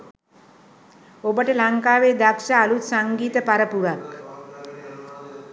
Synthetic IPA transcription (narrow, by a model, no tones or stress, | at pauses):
obəʈəlaŋkaːʋeːd̪akʃaːlut̪saŋɡiːt̪əpaɾəpuɾak